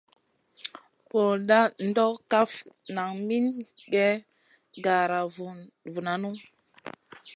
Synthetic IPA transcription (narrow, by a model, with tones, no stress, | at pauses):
wo˨ɗa˦n˦dɔ˦ka˦fna˨ŋmi˦nɡɛ˦ | ɡa˨ɾa˨vvu˨na˨nu˦